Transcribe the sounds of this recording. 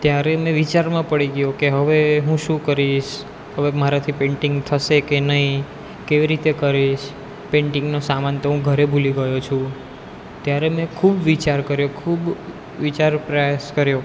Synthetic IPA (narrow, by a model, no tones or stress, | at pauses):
t̪jaɾemɛ̃ʋit͡ʃaɾmãpəɽiɡjokeɦəʋeɦũʃũkəɾiʃ | ɦəʋeməɾat̪ʰipẽɳʈĩŋɡt̪ʰəʃekenəɦi | keʋiɾit̪ekəɾiʃ | pẽɳʈɪ̃ŋɡnosamant̪oɦũɡʱəɾebʱuliɡəjot͡ʃʰũ | t̪jaɾemɛ̃kʰubʋit͡ʃaɾkəɾjokʰub | ʋit͡ʃaɾpɾəjaʃkəɾjo